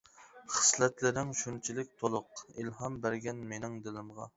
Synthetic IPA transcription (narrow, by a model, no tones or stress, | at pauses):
χə̥slɛt̪lɪɾɪŋʃunt͡ʃʰilɪk̚ʲt̪ʰolˠʊqilhɑmbæɾɡʲɛnmenɪŋd̪ɪlɪmʁɑ̰